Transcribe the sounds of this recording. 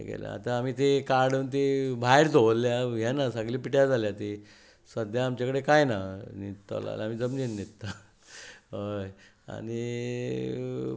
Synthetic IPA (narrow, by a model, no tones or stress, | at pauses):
ḛɡɛ̰la̰a̰t̪ãːmiːt̪ekaɾɽunt̪ebʱaeɾt̪oʋlːjajɛnasaɡliːpiʈjad͡zʱaljat̪i | səd̪jaːmt͡ɕakəɽekajnanit̪ːa̰la̰lam̤iːd͡zəmninːit̪t̪a | oj | a̰ni